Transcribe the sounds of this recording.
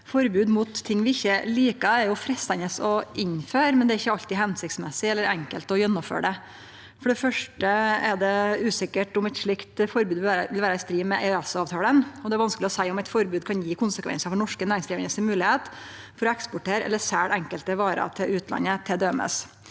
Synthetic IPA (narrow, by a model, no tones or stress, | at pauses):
fɔɾbʉːd̪mʊːt̪ʰːɪŋːʋɪɪçːəliːkɑɛɾjʊfɾɛst̪ɛnəsɔʔɪnføːɾmɛnd̪ɛæɾɪçːəɑlt̪ɪɦɛnsɪkt̪smɛsɪɛlːəɾɛŋkəlt̪ɔjɛnːɔmfø̰ːɖɛ | fɔɖɛfœʂʈəɛɖɛʉːsɪkəʈʊmæt̪ʂɭɪkt̪fɔɾbʉːd̪ʋɪːɾʋɪlʋæːɾɑɪst̪ɾiːmɛʔeøɛsɑːʋt̪ʰɑːlənɔd̪ɛæɾʋɑnsklɪɔsæɪɔmæɪt̪fɔɾbʉːd̪kʰɑnjiːkʰʊnsəkʰʋɛ̰nsəfɔɳɔʂkənæːɾɪŋsiːʋɪnŋəsɪnmʉːlɪheːt̪ | fɔɾɔɛkspʊʈʰeːɾʔɛ̰lːəʂæːɽʔɛŋkəlt̪əʋɑːɾɑ̰t̪ʰɪlʔʉːt̪lɑ̰nːət̪ʰɪld̪øːmə̰s